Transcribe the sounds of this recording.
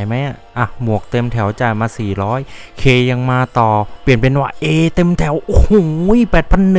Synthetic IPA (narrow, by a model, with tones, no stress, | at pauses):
jma˦˥jʔa˨˩ʔa˧˩mu˨˩ək̚t̪e˧mt̪ʰɛ˩˦wt͡ɕaː˨˩jmaː˧siː˨˩ɾɔː˦˥jkʰeː˧ja˧ŋmaː˧t̪ɔː˨˩pli˨˩ənpe˧nwaː˥˩ʔeː˧t̪e˧mt̪ʰɛ˩˦who˧˩˦jpɛː˨˩t̪̚pʰa˧nːɯ˨